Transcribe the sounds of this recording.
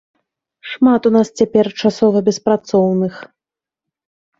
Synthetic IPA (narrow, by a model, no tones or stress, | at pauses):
ʂmat̪unast͡sʲapʲɛrt͡ʂasɔvɐbʲɛspɾat̪sɔwnɨx